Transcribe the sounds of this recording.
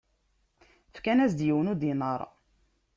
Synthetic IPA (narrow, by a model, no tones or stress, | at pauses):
fkænæsd̪jiwənud̪inəɾˤ